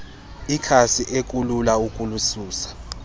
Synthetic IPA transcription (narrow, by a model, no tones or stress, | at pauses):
ikʰasiʔek̬ʼululaukʼulusuːsḁ